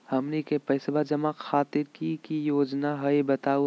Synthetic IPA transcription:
hɐmnikepɐɪsbad͡ʒɐmaxaːt̪ɪɾkikijoːd͡ʒnaɦɐebɐt̪aːu

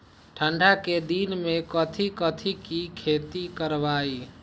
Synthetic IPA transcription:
ʈʰəɳɖʱaked̪inmekət̪ʰikət̪ʰikikʰet̪ikəɾbai

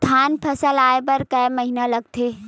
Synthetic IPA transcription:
t̪ʰaːnpʰɐsəlaːepɐɾkɐmɐɦinalɐɡt̪ʰeː

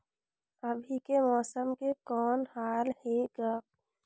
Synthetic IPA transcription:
əbʱikemɔːsəmkekɔːnhaːlheɡa

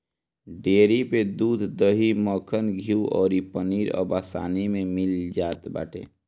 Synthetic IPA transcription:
ɖeːɾiped̪uːd̪ʱd̪əɦimɔːkʰənɡʱiuɔ̰ːɾipəniːɾɔ̰ːbaːsa̰ːnimẽmɪld͡ʒaːt̪ba̰ːʈʰḛː

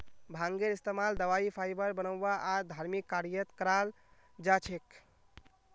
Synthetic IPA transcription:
bʱãŋɡeɾist̪emald̪əʋaipʰajbəɾbənəwʋaʔad̪ʱaɾmikːaɾijət̪kəɾal | d͡ʒat͡ʃʰek

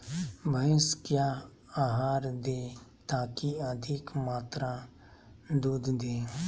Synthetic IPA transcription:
bʱəɪskjaː | aːɦaːɾd̪eːt̪aːkiəd̪ʱɪkmaːt̪ɾa | d̪uːd̪ʱd̪eː

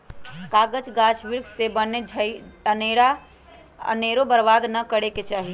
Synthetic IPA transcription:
kaɡəd͡ʒɡat͡ʃʰʋiɾɡsebəned͡ʒʱəəneɾa | ə̰neɾobəɾbad̪nəkəɽeket͡ʃaɦi

